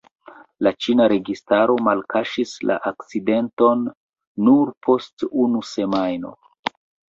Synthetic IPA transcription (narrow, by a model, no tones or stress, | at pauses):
lat͡ʃinaɾe̞ɡistaɾo̞malkaʃisla̰ʔak̚t͡side̞nto̞nː | uɾpʰo̞stunuse̞majno̞̰